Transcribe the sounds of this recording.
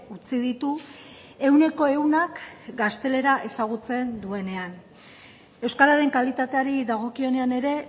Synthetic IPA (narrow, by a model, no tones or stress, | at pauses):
ut͡sið̞it̪u | e̞wne̞ko̞e̞unakɡast̪e̞le̞ɾaʔe̞saɣ̞ut͡se̞nd̪ue̞ne̞an | e̞wskaɾaɾe̞ŋkalit̪at̪e̞aɾiðaɣ̞o̞kio̞ne̞ane̞ɾe̞